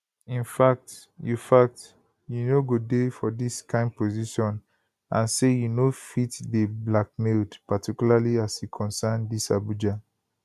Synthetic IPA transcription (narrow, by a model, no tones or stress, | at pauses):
ĩnfak̚t | jufak̚t | junoɡodefɔdiskʰãɪ̃nd̚poziʃɔ̃n | ãnsejunofitdəblak̚mildpatʰikulaliasjukʰɔ̃nsandisabud͡ʒa